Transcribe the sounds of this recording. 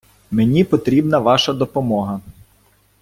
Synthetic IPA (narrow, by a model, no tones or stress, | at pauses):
menʲipɔt̪ɾʲibnɐʋɑʃɐd̪ɔpɔmɔɦɐ